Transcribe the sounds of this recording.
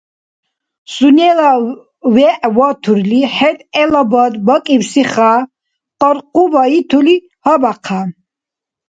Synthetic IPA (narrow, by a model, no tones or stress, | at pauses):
sunɛla | wɛʔwɔt̪ʰuɾliħɛt̪ʼɛlabɔd̪bɔkʼiwsiχa | qʼɔɾqʼubait̪ʰuli | habaqʰa